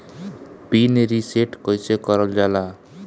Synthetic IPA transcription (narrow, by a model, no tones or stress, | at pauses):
bineɾiseʈkɔjsekɔɾɔld͡ʒala